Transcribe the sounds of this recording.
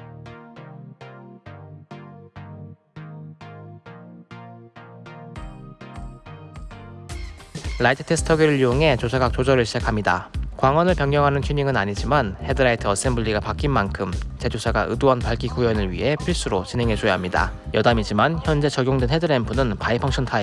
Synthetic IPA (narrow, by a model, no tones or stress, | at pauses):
ɾaitʰɯ̥tʰe̞sʰɯ̥tʰʌɡiɾɯɭijoŋɦe̞t͡ɕosʰaɡak̚t͡ɕ͈od͡ʑʌɾɯɭɕʰid͡ʑakʰamɲidakwaŋwʌnɯɭpjʌŋɲjʌŋɦanɯnt͡ɕʰuɲiŋɯnaɲid͡ʑimanhe̞dɯɾaitʰɯʌs͈enbuʎːiɡapak͈inmankʰɯmt͡ɕe̞d͡ʑosʰaɡaʔɯduʌnpaɭk͈ikujʌnɯɭɥḭɦe̞pʰiɭs͈uɾot͡ɕinɦe̞ŋɦe̞d͡ʑojaɦamɲida̰ | jʌdamid͡ʑimançjʌnd͡ʑe̞t͡ɕʌɡjoŋdwenhedɯɾempʰunɯnpaipʰʌŋɕʰʌntʰai